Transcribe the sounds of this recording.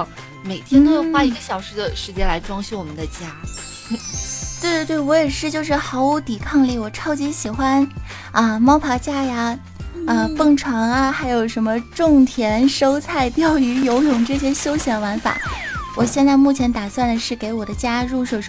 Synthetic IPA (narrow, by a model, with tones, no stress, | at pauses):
me˨˩ɪt̪ʰjnt̪o˥jwa˥i˧˥ɡə˧ɕjɑ˨˩ʊʂɻ̩˥˩d̪ə˨ʂɻ̩˧˥t͡ɕjɛ˥nla˧˥ɪʈ͡ʂwɑ˥ŋɕu˥˩wɔ˨˩mə˦nd̪ə˧t͡ɕja˥˩ | t̪we˥˧t̪we˥˩ɪwɔ˧˥jɛ˨˩ʂɻ̩˥˧t͡ɕjo˥˧ʊʂɻ̩˥˩xɑ˧˥ʊu˧˥t̪i˨˩kʰɑ˥˧ŋli˥˩wɔ˨˩ʈ͡ʂʰɑ˥ʊt͡ɕi˧˥ɕi˨˩xwa˥n | ə˥˧mɑ˥ʊpʰɑ˧˥t͡ɕja˥ja˧ | ə˧pə˥˩ŋʈ͡ʂʰwɑ˧˥ŋɐ˧xa˧˥ɪjo˨˩ʊʂə˧˥mə˧ʈ͡ʂʊ˥˩ŋt̪ʰjɛ˧˥nʂo˥ʊt͡sʰa˥˧ɪt̪jɑ˥˩ʊy˧˥jo˧˥ʊjʊ˨˩ŋʈ͡ʂɤ˥˩ɕjɛ˥ɕjo˥ʊɕjɛ˧˥nwa˧˥nfa̰˨˩˦wɔ˨˩ɕjɛ˥˧nt͡sa˥˧ɪmu˥˩t͡ɕʰjɛ˧˥nt̪a˨˩swa˥˩nd̪ə˩ʂɻ̩˥˩ke˧˥ɪwɔ˨˩d̪ə˦t͡ɕja˥ɻu˥˩ʂwo˧˩ʂ